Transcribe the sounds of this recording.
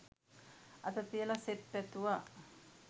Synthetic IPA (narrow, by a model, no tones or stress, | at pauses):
ɐt̪ət̪ijəlaset̪pæt̪uʋa